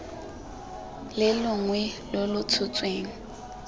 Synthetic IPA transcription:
lɪlʊŋwɛlolʊt͡sʰʊt͡sʼweːŋ̩

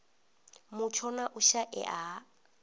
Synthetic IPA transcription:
mʊt͡ʃʰɔnaʔʊʃaʔɛ̰ʔaː

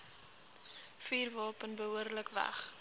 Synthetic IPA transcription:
fiːrvɑːpənbəɦuərləkvæ̰χ

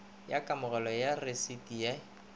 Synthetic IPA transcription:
jakʼamʊɣɔlɔjaresitʼija

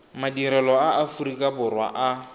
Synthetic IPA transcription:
madiɾɛlɔaafurikʼabʊrwa̰ʔa

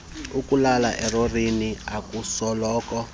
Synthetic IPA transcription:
ukulalaʔɛrɔriniakusɔlɔːkɔ

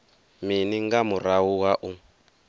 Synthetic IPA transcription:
miniŋɡamuɾawuwaʔu

